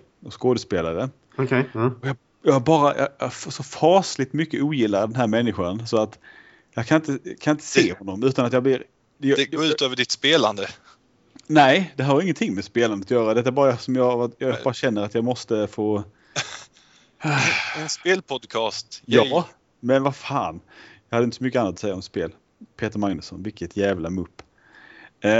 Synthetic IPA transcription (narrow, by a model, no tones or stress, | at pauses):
ɔskoːd̪əspeːla̰ɾə | ɔkʰɛɔjɑː | jɑːɡabɑːɾajɑ̰jfsɔfɑːslɪt̪mʏkːəuːjɪlːaɾəd̪ɛnɦæːɾmɛnːɪɧansɔat̪ | jɑkʰanɪnt̪əkʰanɪnt̪ə̥seːhɔnːɔmʉ̟ːt̪anat̪jɑːɡblɪɾ | jɡoːʉːt̪øːvəɖɪt̪speːla̰nd̪ə | nɛɪd̪ɛɦæːɾɑɾɪŋːənt̪ʰɪŋːmɛspeːland̪ət̪jœːɾad̪ɛt̪ːaæɾbɑːɾaasɔmjɑɡajɑbɑːɾaɕɛnːəɾat̪jɑɡmɔst̪əfoː | ɛnspeːlpʰɔd̪kʰɑːst̪jɑː | mɛnvafaːnjɑɡhad̪ɪt̪əsɔmʏkːəanːat̪ɔ̥sɛjːaɔmspeːl | pʰeːt̪əɾmaŋnəsɔ̰nvɪlkːət̪ʰjæːvlamɵpː